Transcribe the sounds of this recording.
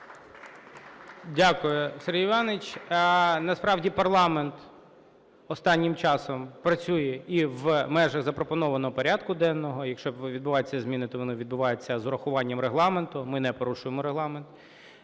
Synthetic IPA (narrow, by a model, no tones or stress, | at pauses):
dʲakʊjʊseɾɦiʋɑnɪt͡ʃʲ | nɐspɾɑwdʲipɐrlˠɑment̪ | ɔst̪ɑnʲːɪmt͡ʃɑsɔmpɾɐt͡sʲujɛiʋmɛʒɐɣzɐpɾɔpɔnɔʋɐnɔɦɔpɔɾʲad̪kʊd̪ɛnːɔɦɔjɐkʃt͡ʃɔʋʲid̪̚bʊʋɑjet͡sʲːɐzʲmʲinɪt̪ɔʋɔnɪʋʲid̪̚bʊʋɑjet͡sʲːɐzʊɾɐxʊʋɑnʲːɐmɾeɦlˠɑment̪ʊmɪnɛpɔɾuʃʊjemɔɾeɦlˠɑment̪